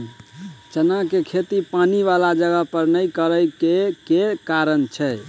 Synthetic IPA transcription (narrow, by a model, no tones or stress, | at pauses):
t͡ʃənakekʰet̪ipaniʋalad͡ʒəɡəɦpəɾnəjkəɾəjkekekaɾənt͡ʃʰɛ